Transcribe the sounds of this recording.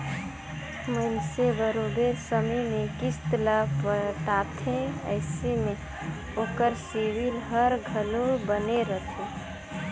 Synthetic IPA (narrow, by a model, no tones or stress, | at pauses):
mənsebəɾoɖeɾsəməjmẽkist̪lapəʈaːt̪ʰẽə̰ɪseme | oːkəɾsiʋilɦəɾɡʱəlobəneɾət̪ʰe